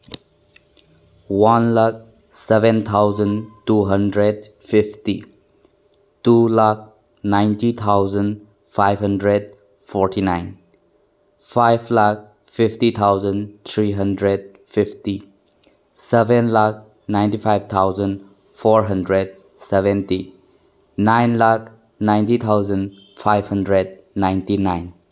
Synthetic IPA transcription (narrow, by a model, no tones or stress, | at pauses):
wanlak̚ | sɛbɛ̃nt̪ʰawzəntuɦəndɾed̚ | fipʰti | tulak̚ | najntit̪ʰawzən | fajbɦəndɾed | fʰɔɾtinajn | fʰajbʰlak̚ | fʰipʰtit̪ʰawzənt̪ʰɾiɦɐndɾed̚ | pʰipʰti | sɛbenlak̚ | najntipʰajb̚t̪ʰawzən | pʰɔɾɦɐndɾed̚ | sɛbenti | najnlak̚ | najntit̪ʰawzən | pʰajbhəndɾed̚ | najntinajn